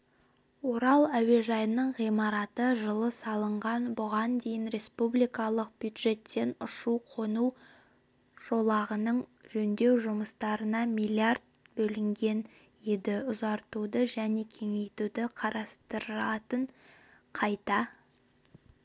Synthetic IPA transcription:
wo̞ɾɑlˠæwe̞ʒɑjənəɴʁijmɑɾɑt̪əʒəlˠəsɑlˠəɴʁɑnbʊʁɑnd̪e̞jɪnɾe̞spublijkɑlˠəq̚bjud̪ʒe̞t̪ːe̞nʊʃuqʰo̞nu | ʒ̥o̞lˠɑʁənəɴʒɵnd̪e̞wʒʊməst̪ɑɾənɑmijlʲˠiard̪̚bɵlɪŋɡʲe̞n | je̞d̪ɪʊzɑɾt̪ud̪əʒæne̞kʲʰe̞ŋe̞jt̪ud̪ɪqʰɑɾɑst̪əɾɑt̪əɴ | qʰɑjt̪ɑ

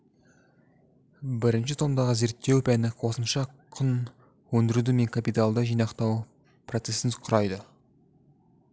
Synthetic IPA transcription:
bɪɾɪnʃɪt̪ʰomd̪ɑʁəze̞ɾt̪ːe̞wpʰænɪqʰo̞səmʃɑqʰʊn | wɵnd̪ɪɾud̪ɪme̞ŋkʰapijt̪alˠd̪əʒijnɑqt̪ɑw | pʰro̞t̪se̞sɪnqʰʊɾɑjd̪ə

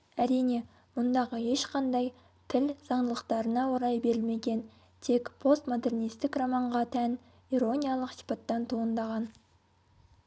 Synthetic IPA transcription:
æɾijne̞ | mʊnd̪ɑʁəe̞ʃqʰɑnd̪ɑj | t̪ʰɪlz̥ɑɴd̪əlˠəqt̪ɑɾənɑwoɾɑjbe̞ɾɪlme̞ɡʲe̞n | t̪ʰe̞kpʰo̞st̪mo̞d̪e̞rnijst̪ɪkrɑmɑɴʁɑt̪ʰæn | iɾo̞nʲijalˠəqsi̥pɑt̪ːɑnt̪ʰuənd̪ɑʁɑn

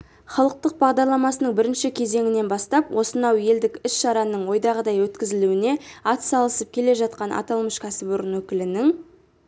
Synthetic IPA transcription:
χɑlˠəq̚t̪əq̚bɑʁd̪ɑɾlˠɑmɑsənəɴbɪɾɪnʃɪkʲʰe̞ze̞ŋɪne̞nbɑst̪ɑpwʔo̞sənɑwe̞ld̪ɪkʏsʃɑɾɑnəɴwo̞jd̪ɑʁəd̪ɑjwɵt̪kʲɪzɪluɪne̞ɑt̪sɑlˠəsəp̚kʲʰe̞le̞ʒɑt̪̚qɑnʔɑ̰t̪ɑlˠməʃkʲʰæsɪbʊɾənwɵkʲɪlɪnɪŋ

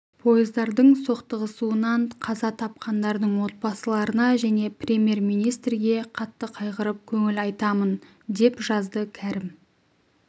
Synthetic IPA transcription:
pʰo̞jəzd̪ɑɾd̪əɴso̞qt̪əʁəsuənɑɴqʰɑzɑt̪ʰɑp̚qɑnd̪ɑɾd̪əɴwo̞t̪̚bɑsəlˠɑɾənɑʒæne̞prʲemʲje̞rmijnijst̪rɡʲe̞qʰɑt̪ːəqʰɑjqəɾəp̚kʲʰɵŋɪlɑjt̪ɑmən | d̪e̞pʒɑzd̪əkʲʰæɾɪm

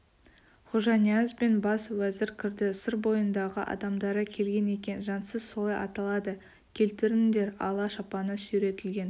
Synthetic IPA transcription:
χuʒɑnijazbe̞nbɑswæzɪɾkʲʰɪɾd̪ɪsəɾbo̞jənd̪ɑʁəʔɑ̰d̪ɑmd̪ɑɾəkʲʰe̞lɡʲe̞ne̞kʲe̞nʒɑnsəzsolˠɑjɑ̰t̪ɑlˠɑd̪ə | kʲʰe̞lt̪ɪɾɪmɪnd̪e̞ɾɑ̰lˠɑʃɑpɑnəsyɾe̞t̪ɪlɡʲe̞n

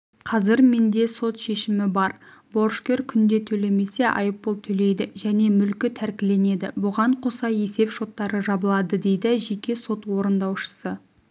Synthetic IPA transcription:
qʰɑzɪɾme̞nd̪e̞so̞t̪ʃe̞ʃɪmɪbɑɾ | bo̞ɾʃkʲe̞ɾkʲʰʏnd̪e̞t̪ʰɵle̞me̞se̞ʔɑ̰jəpːolˠt̪ʰɵle̞jd̪ɪʒæne̞mʏlkʲɪt̪ʰæɾkʲɪle̞ne̞d̪ɪ̰bʊʁɑɴqʰo̞sɑje̞se̞pʃo̞t̪ːɑɾəʒɑbəlˠɑd̪əd̪e̞jd̪ɪʒe̞kʲe̞so̞t̪wo̞ɾənd̪ɑwʃə̥sə

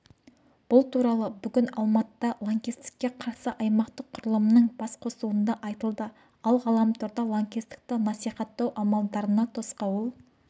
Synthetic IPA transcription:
b̥ʊlˠt̪ʰuɾɑlˠəbʏɡʲɪnɑlˠmɑt̪əd̪ɑlˠoŋkʲist̪ɪ̥kʲːe̞qʰɑɾsəʔɑjmɑqt̪əqʰʊɾəlˠəmənəɴbɑsqʰo̞suwənd̪ɑʔɑjt̪əlˠd̪ə | ɑlˠʁɑlˠɑmt̪ʰʊɾd̪ɑlˠoŋkʲist̪ɪ̥k̚t̪ənɑsijχɑt̪ːɑwʔɑmɑlˠd̪ɑɾənɑt̪ʰo̞sqɑwolˠ

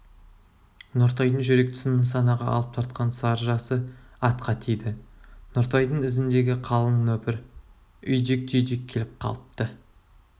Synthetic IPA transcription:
noɾt̪ɑjd̪əɴʒʏɾe̞k̚t̪ʰʏ̥sɪnɪŋsɑnɑʁɑɑ̰lˠəp̚t̪ʰɑɾt̪̚qʰɑnsɑɾʒɑsəɑt̪qʰɑt̪ʰijd̪ɪnoɾt̪ɑjd̪əɴɪzɪnd̪e̞ɡʲɪqʰɑlˠənːɵpɪɾ | ʏjd̪ek̚t̪ʰʏjd̪ekʲʰːe̞lɪp̚qʰɑ̰lˠəp̚t̪ə

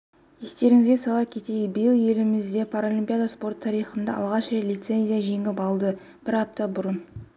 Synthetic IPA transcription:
je̞st̪e̞ɾɪŋɪzɡʲesɑlˠɑp̚kʲʰe̞t̪ejɪbəjəlˠje̞lɪmɪzd̪e̞pʰaɾolʲimpʲijad̪aspo̞rt̪ʰːɑɾijχənd̪ɑʔɑ̰lˠʁɑʃʒelʲijt̪se̞nʲzʲijaʒe̞ŋɪpɑlˠd̪ə | b̥ɪɾɑp̚t̪ɑbʊɾən

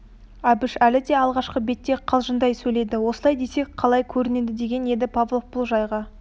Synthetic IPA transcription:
æbɪʃælɪd̪e̞ɑlˠʁɑʃqəbe̞t̪ːe̞qʰɑlˠʒənd̪ɑjsɵjle̞d̪ɪwo̞səlˠɑjd̪e̞sek̚qʰɑlˠɑjkʲʰɵɾɪne̞d̪ɪd̪e̞ɡʲe̞ne̞d̪ɪpʰavlˠofbʊlˠʒɑjʁɑ

